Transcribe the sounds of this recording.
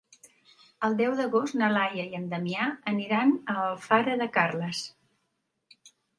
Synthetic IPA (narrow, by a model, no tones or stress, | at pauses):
əlˠd̪ɛwðəɣost̪nəlajəjənd̪əmiaəniɾanəlˠfaɾəðəkarləs